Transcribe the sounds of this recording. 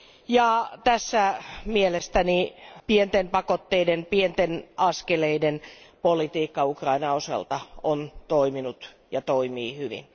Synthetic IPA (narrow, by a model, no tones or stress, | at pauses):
jɑt̪æsːæmielest̪ænipient̪empɑkot̪ːeidenpient̪enɑskeleidenpolit̪iːkːɑukrɑinɑosɑ̰lt̪ɑont̪oiminut̪ | jɑt̪oimiːhyʋḭn